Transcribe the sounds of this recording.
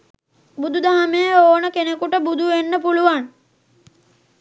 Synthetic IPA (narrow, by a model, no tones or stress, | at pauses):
bud̪ud̪ʱaɦamejəoːnəkenekuʈəbud̪ʱuʋenːəpuluʋan